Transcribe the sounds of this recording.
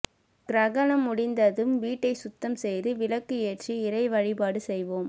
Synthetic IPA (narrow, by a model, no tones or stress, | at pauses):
ɡɾɐɣɐnɐmːʊɽɪnd̪ɐðɯmʋiːʈːɐɪsʊt̪ːɐmsɛjðɯʋɪlɐkːɯɛʈ̚t͡ʃiɪɾɐɪʋɐɻɪpaːɽɯsɛjʋoːm